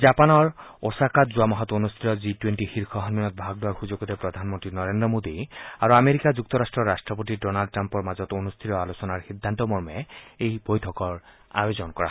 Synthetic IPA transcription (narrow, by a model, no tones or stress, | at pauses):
zapanɔɹosakat̪zuamɔɦɔt̪onust̪ʰiɾɔzitwenʈixiɹxʰɔɦɔnminɔt̪̚bʱaɡ̚dʊwaɹxuzoɡɔt̪epɹɔd̪ʱanmɔnt̪ɹinɔɹendɹɔmod̪iaɹuameɾikazuk̚t̪ɔɾasʈɹɔɹasʈɹɔp̬otidɔnalɖ̚ʈːampɔɹmazɔt̪onust̪ʰiɾɔalosɔnaɹxid̪ʱːant̪ɔmɔɹmɛejbojtʰɔkɔɹ | a̰bezɔnkɔɹa